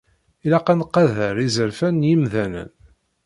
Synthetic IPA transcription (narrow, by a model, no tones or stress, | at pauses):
ilæqɑnqɑðəɾizəɾfænjimðænə̰n